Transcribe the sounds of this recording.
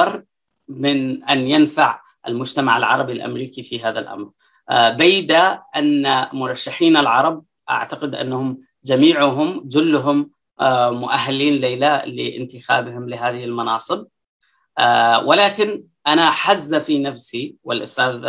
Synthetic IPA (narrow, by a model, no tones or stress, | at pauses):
ɑrˤ | mɪnʔanjanfaʕ | ʔa̰lmʊd͡ʒt̪amaʕalʕɑ̰ɾˤɑbilʔa̰mɾiːkifiɦaːðalʔa̰mɾ | bajːd̪aʔanːamʊɾˤɑʃːaħiːnalʕɑɾˤɑb̚ | ʔa̰ʕt̪aqɪd̪ʔa̰nːahʊm | d͡ʒamiːʕʊɦʊmd͡ʒʊlːʊɦʊmː | ʊʔaɦːaliːnlejlaʔlɪ̰ʔɪ̰nt̪ɪxa̰ːbɪhɪmlɪɦaːðɪhɪlmɑnɑːsˤɨb̚ | wɪlaːkɪn | ʔanaħazːafinafsiwɪlʔʊst̪aːð